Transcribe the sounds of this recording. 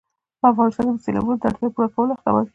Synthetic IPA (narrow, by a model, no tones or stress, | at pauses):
pəafɣɑnɪst̪ɑnked̪əselɑ̰bunod̪əa̰ɽt̪japuɾakawəloaxt̪a̰wa̰l